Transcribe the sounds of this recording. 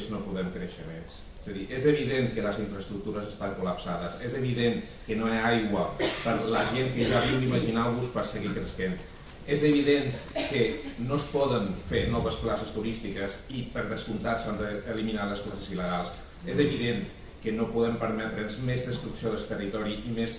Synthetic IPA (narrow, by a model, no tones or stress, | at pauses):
znopuðɛmkɾəʃəmens | ez̥əðiʔezəβ̞iðeŋkələziɱfɾəst̪ɾuk̚t̪uɾəzəst̪aŋkuləpsaðəsezəβ̞iðeŋ | kənoaajɣwəpəɾləʒeŋkəʒaβiwd̪iməʒinaβuspəɾsəɣikɾəsken | ezəβ̞iðenkənospɔðənfenɔβəsplasəst̪uɾist̪ikəzipəɾðəskunt̪asand̪əːliminaləsplasəziləɣalˠs | ezəβiðen | kənopuðɛmpəɾmɛt̪ɾənzmezðəst̪ɾuksioðəst̪ərit̪ɔɾiʔimes